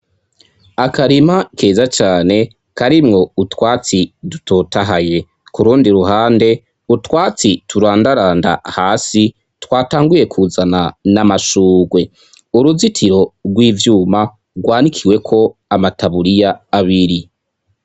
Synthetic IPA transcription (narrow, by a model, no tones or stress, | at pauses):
akaɾimake̞ːzat͡ʃaːne̞ | kaɾimŋo̞utwaːt͡sidutʰo̞taɦaje̞ | kuɾuːndiɾuɦaːnde̞ | utwaːt͡situɾaːndaɾaːnda̰haːsi | twaːtaːŋɡuje̞kʰuzananamaʃuːɡwe̞ | uɾuzitʰiɾo̞ɡwiːvjuːma | ɡwaːnikʰiwe̞kʰo̞amataβuɾijaːβiɾi